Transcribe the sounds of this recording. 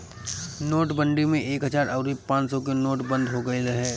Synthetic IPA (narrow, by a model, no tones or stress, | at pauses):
noːʈbə̃ɳɖimẽʔeːkɦəd͡ʒaːɾʔəʊɾipãːt͡ʃsɔkenoːʈbə̃nd̪ʱɦoɡəeləɦɛː